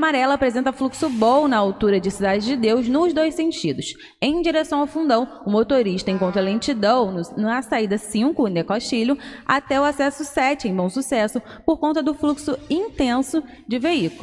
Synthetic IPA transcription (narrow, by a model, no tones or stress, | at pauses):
amaɾɛlɐːpɾezẽnt̪ɐfluksʊbõw̃ʊnɐawt̪uɾɐd͡ʒɪsid̪ad͡ʒɪd͡ʒɪd̪ewznʊzd̪ojsẽnt͡ʃid̪ʊʃ | ẽj̃d͡ʒiɾesɐ̃w̃awfũnd̪ɐ̃w̃ʊmot̪oɾiʃt̪ɐẽkõt̪ɾɐlẽnt͡ʃid̪ɐ̃w̃nɐsaid̪ɐsĩŋkʊnekoʃt͡ʃiʎʊa̰t̪ɛʊasɛsʊsɛt͡ʃɪẽj̃bõw̃susɛsʊ | poɾkõnt̪ɐd̪ʊfluksʊĩnt̪ẽsʊ | d͡ʒɪveikʊlʊ